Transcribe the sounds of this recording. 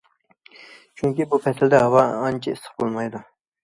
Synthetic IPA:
t͡ʃʰyŋkʲibupʰɛsɪld̪ɛɦɑwɑɑnt͡ʃʰiɪsə̥χbolˠmɑjd̪u

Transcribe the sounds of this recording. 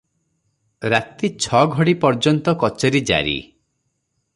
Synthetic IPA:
ɾat̪it͡ʃʰɔɡʱɔɽipɔɾd͡ʒɔnt̪ɔkɔt͡ʃeɾid͡ʒa̰ɾḭ

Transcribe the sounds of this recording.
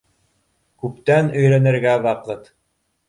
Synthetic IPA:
kʉpt̪ænɵ̆jɾænɘ̆ɾɡæβɑqɤt̪

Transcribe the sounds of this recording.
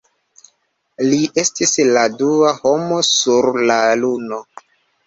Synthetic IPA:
liʔe̞stisladuaho̞mo̞suɾlaluno̞

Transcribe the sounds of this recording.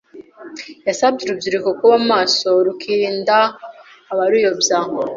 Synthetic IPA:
jasabɟeɾubjiɾikokuβamaːso̞ɾukʰiːndaː | βaɾujobjao

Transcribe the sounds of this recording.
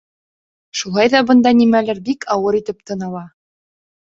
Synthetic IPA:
ʃulˠɑjðɑbɤ̆nd̪ɑnimælɘɾbikʰɑwɤɾit̪ɘp̚t̪ɤ̆nɑlˠɑ

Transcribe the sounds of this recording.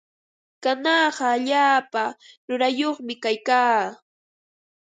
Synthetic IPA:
kanɑɢɑːʎaːpaɾʊɾajoχmɪkajkaː

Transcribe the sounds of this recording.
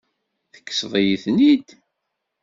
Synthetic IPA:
θə̥kːə̥sðˤijiθnid̪

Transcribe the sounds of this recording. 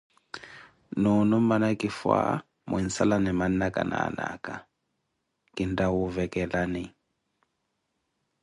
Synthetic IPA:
nɔnʊm̩manakʼɪfwa̰ | mʊ̰in̩salanɛman̩nakʼa̰na̰na̰kʼa | kʼɪndawʊvɛkʼɛlanɪ

